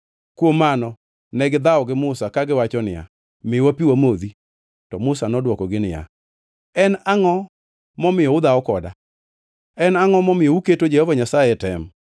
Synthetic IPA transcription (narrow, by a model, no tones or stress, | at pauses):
kwomːanɔ | nɛɡɪd̪aɔɡɪmʊsakaɡɪwat͡ʃɔnɪja̰ | mɪwapiwamod̪i | tɔmʊsanɔdwɔkɔɡɪnɪja̰ | ɛnaŋɔ | mɔmɪjɔʊd̪aɔkɔda̰ | ɛnaŋɔmɔmɪjɔuketod͡ʒɛhɔvaɲasajɛtɛm